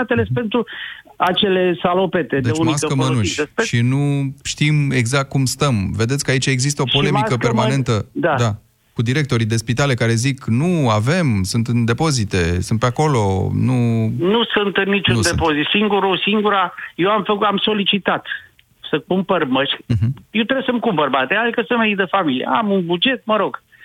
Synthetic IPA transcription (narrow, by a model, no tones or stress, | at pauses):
at̪elespent̪ɾu | at͡ʃe̞le̞salo̞pet̪ed̪et͡ʃmaskəmənuʃeʃinuʃt̪ime̞ɡzak̚t̪̚kumst̪əmve̞d̪esʲkəait͡ʃae̞ɡzist̪əo̞po̞lle̞mmikəpe̞rmane̞nt̪əd̪ad̪a | kud̪iɾe̞k̚t̪o̞ɾid̪e̞spit̪ale̞kaɾe̞ziknuave̞msunt̪ɨnd̪e̞po̞zit̪e̞sunt̪peako̞lo̞̰nunusunt̪ɨnːit͡ʃund̪epozit̪siŋɡuɾusiŋɡuɾajewamfəkamso̞lit͡ʃit̪at̪ | səkumpərməʃk̩ʲɦjewt̪ɾebjsəmkumbərbat̪ejad̪ikəsɨnmeijd̪əfamiliḛamunbud͡ʒe̞t̪̚məɾo̞ɡ̥